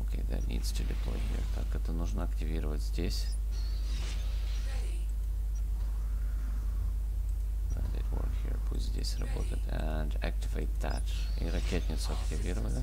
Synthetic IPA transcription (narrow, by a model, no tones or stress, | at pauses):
okʲḛd̪ɐ̰lʲnʲḭt̪stʲɪlʲɪplˠo̰dʲɪə̰k̪akɛt̪ənuʐnəɐktʲɪvʲiɾəvətʲzʲdʲesʲ | vɛnd̪ɨ̰t̪vo̰rhiɹput̪ʲzʲdʲesʲrɐbot̪əjt̪ɛ | nd̪æk̚tʲɪveɪt̪ːæt | iɾɐkʲet̪ʲnʲɪt̪sʊɐktʲɪvʲiɾəvənʲə